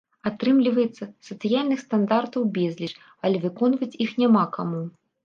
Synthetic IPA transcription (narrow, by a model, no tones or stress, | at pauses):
at̪ɾɨmlʲivɐjɛt̪sːɐsɐt̪sɨjalʲnɨxst̪and̪art̪ɐwbʲɛzʲlʲit͡ʂ | ɐlʲɛvɨkɔnvɐt͡sʲixnʲamakamu